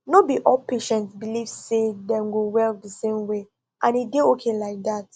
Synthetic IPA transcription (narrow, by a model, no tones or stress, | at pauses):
nobiʔɔlpʰeʃɛ̃ntsbilivsedɛ̃mɡowɛldəsẽmwe | ʔãnideokʰẽnlaɪk̚dat